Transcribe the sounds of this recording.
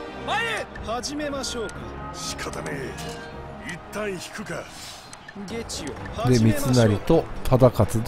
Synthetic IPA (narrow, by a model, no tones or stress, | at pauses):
haʑime̞maɕoːkɕi̥kʰat̪ane | it̪ːãɰ̃çi̥kɯ̟ka | ɡe̞t͡ɕiod̪e̞mʲit͡sɨnaɾʲit̪o̞t̪ʰad̪akat͡sɨ